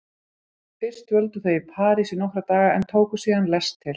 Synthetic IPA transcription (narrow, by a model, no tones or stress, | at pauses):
fɪr̥st̪vœlt̪ʏθejɪpʰaːɾisɪnowhɾat̪aːɣaɛnt̪ʰoːwkʏsiːðanlɛst̪ʰːɪl